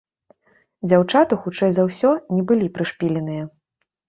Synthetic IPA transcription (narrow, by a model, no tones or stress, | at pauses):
d͡zʲawt͡ʂat̪ɨxut͡ʂɛjzawsʲɔnʲɛbɨlʲipɾɨʂpʲilʲɛnɨjɐ